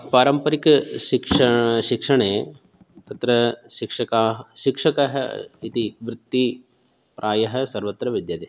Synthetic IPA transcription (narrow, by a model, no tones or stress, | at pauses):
paːɾɐmpɐɾikʃikʂɐʃikʂɐɳeː | t̪ɐt̪ɾɐʃikʂɐkaːɦʃikʂɐkɐɦɐit̪iʋɾɪt̪ːi | pɾʔaːjɐɦɐ̆sɐɾʋɐt̪ɾɐʋid̪jɐt̪eː